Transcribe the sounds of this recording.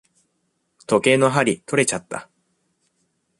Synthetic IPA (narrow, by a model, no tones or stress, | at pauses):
t̪o̞ke̞ːno̞ɦaɾʲit̪o̞ɾe̞t͡ɕat̪ːa̰